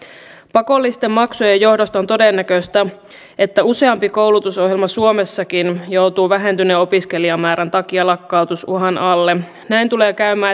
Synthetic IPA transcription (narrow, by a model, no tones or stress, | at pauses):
pɑko̞lːist̪e̞mːɑksojɑjo̞hdost̪ɑo̞nt̪o̞denːækøst̪æ | e̞t̪ːæuse̞ɑmpiko̞wlut̪uso̞hjelmɑsuomesːɑkinjo̞uwt̪uːʋæɦe̞nt̪yneo̞piske̞liɑmæːɾænt̪ɑkiɑlɑkːɑut̪usṵɦɑnʔɑlːe | næint̪ule̞ːkæymæː